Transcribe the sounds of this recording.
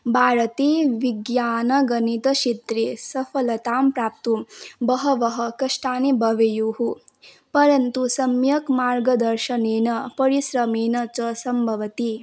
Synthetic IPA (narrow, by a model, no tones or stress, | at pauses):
bʱaːɾɐt̪iːʋiɡjaːnɐɡɐnit̪ɐʃit̪ɾeːsɐfɐlɐt̪aːmpɾaːp̚t̪umbɐɦɐʋɐɦɐkɐʂʈaːnibʱɐʋejuːɦu | pɐɾɐnt̪usɐmjɐkmaːɾɡɐd̪ɐɾʃɐneːnɐpɐɾisɾɐmeːnɐt͡ʃɐsɐmbʱɐʋɐt̪i